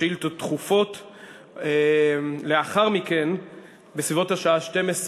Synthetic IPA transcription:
ilt̪otχufo̞t | eleaχaʁmiken | besvivo̞thaʃaaʃte̞mes

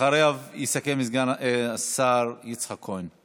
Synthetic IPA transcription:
aɾeavisakemizɡanasaɾjit͡sχakʰojn

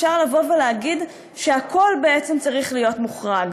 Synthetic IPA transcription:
ʃaʁlavo̞veleaɡid | ʃe̞akʰo̞lbe̞et͡semt͡saʁiχlijo̞tmuχʁaɡ

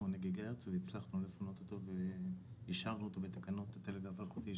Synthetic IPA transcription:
oneɡeɡaeʁt͡seveit͡slaχnulefonot̪ot̪o̞veiʃaʁnuot̪o̞bet̪akano̞t̪at̪eleɡavalχut̪i

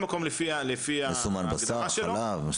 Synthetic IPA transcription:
makomlefialefiaesumanbasaaʃealolav

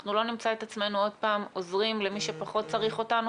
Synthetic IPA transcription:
χnulo̞nimt͡sae̞t̪at͡sme̞nuo̞dpaːmo̞zʁimlemiʃe̞paχo̞t̚t͡saʁiχo̞tanu

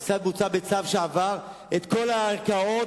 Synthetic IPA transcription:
t͡sad̪̚mut͡sabe̞t͡savʃeavaʁ | et̪ko̞laːʁkao̞

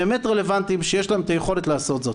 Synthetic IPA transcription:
emet̪ʁele̞vant̪imʃejeʃlaemet̪ajeχo̞le̞t̪laːso̞t̪zo̞t̪

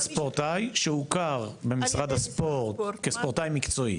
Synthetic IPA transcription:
spoʁt̪ajʃeukaʁbe̞misʁad̪haspoʁt̪kespoʁt̪ajmikt͡so̞ḭ

